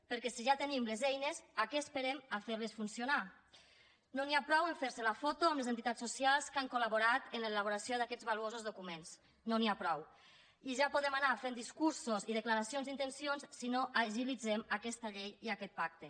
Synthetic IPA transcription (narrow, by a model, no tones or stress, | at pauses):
pəɾkɛsiʒat̪ənimlezɛjnezakɛəspeɾemafeɾlesfunsiona | noniapɾɔweɱfeɾselafot̪oamlezent̪it̪at͡ssosjalˠskaŋkolaβoɾat̪ənlelaβ̞oɾasioðakɛd͡zβaluozozðokumens | noniapɾɔw | iʒapoðemanafend̪iskuɾsoziðəklaɾasionzint̪ensionssinoʔaʒilid͡zemakɛst̪aʎejiakɛt̪̚pak̚t̪e